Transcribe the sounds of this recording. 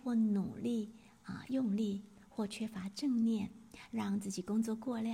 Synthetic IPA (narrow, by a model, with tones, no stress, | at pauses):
xwɔ˥˩nu˨˩li˥˩ | ə̰˧˩jʊ˥˧ŋli˥˩ | xwɔ˥˩t͡ɕʰɥɛ˥fa˧˥ʈ͡ʂɤ˥˧ŋnjɛ˥˩nɻɑ˥˧ŋt͡sɹ̩˥˩t͡ɕi˨˩kʊ˥ŋt͡swɔ˥˧kwɔ˥˧ljɑ˥˩